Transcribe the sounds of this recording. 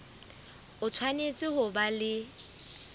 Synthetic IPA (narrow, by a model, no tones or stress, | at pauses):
ʊt͡sʰwanet͡sʼɪhʊbalɪ